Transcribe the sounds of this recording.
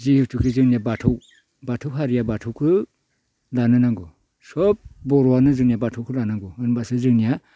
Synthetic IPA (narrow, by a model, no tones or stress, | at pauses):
zihɯwtʰukʰizɯŋnijabatʰɯw | batʰɯwɦaɾijabatʰɔwkʰɯ | lanɯnaŋɡɯ | sɔp̚bɔɾɔwanɯzɯŋnijabatʰɔwkʰɯlanaŋɡɯɯnbasɯzɯŋnija